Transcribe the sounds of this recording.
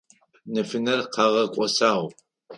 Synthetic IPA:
nɨfɨnɐrqʰɑʁɐkʷʼɔsaːʁ

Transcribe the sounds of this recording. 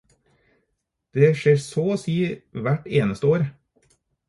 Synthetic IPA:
d̪̥eːʃeːɾsoːoːsiːʋæʈeːnəst̪əoːɾ

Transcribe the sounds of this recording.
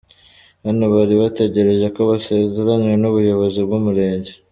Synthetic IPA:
hanoβaɾiβate̞ɟe̞ɾe̞ʒeko̞βasezeɾanŋwe̞nuβujo̞βo̞zibɡumuɾe̞ːɲɟe

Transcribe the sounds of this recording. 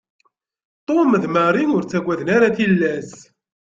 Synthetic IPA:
t̪ˤomðməɾinʊɾt͡sːæɡʷæðənaɾaθilːæz

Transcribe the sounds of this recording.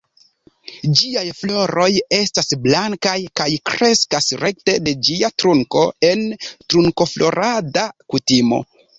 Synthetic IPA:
d͡ʒiajflo̞ɾo̞je̞stasblaŋkajkajkɾe̞skasɾe̞k̚te̞de̞d͡ʒiatɾuŋko̞e̞ntɾuŋko̞flo̞ɾʔadakutimo̞̰

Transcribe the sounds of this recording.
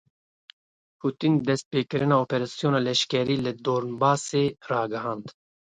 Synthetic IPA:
pʰuːt̪ind̪ɛst̪̚peːkɨɾɨnɑːoːpɛɾɑsijoːnɑːlɛʃkɛɾiːlɨd̪oːɾnbɑːseːrɑːɡɨhɑːnd̪

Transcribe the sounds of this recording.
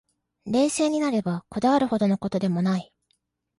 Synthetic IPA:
ɾe̞ːse̞ːɲ̟inaɾe̞bako̞d̪aβaɾɯ̟ho̞d̪ono̞ko̞t̪o̞d̪e̞mo̞nai

